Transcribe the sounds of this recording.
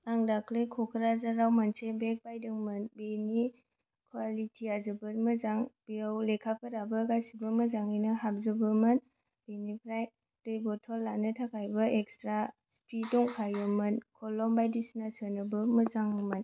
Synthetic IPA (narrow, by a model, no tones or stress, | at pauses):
aŋdakʰlekʰɔkʰəɾazaɾawmansebek̚pajdɯŋmɯnbeni | kʰwalitʰiazɯbɯtmɯzaŋb̥iawlekʰapʰɯɾabɯkajsibəməzaŋɯnɯɦap̚zɯbɯmɐn | b̥enipʰɾaj | dɯjbɔtʰɔlːanɯtʰakʰajbɐekstɾaspʰidɔŋkʰajɯmɯnkʰɔlɔmbajdisnasənɯbɯmɯzaŋɯmɐn